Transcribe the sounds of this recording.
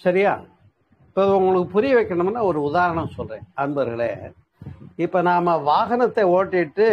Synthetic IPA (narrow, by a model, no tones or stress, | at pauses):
sɐɾɪjaː | ɪpːoːðʊŋɡɐɭɯkːɯpʊɾɪjɛʋɐɪkːɐɳɐmɐnːaːɔɾɯʊðaːɾɐɳɐmsɔlrḛ̃ːɐnɯbɐɐɾɣɐɭḛː | ɪpːoːnaːmɐʋaːɣɐnɐt̪ːeoːʈːɪʈːɯ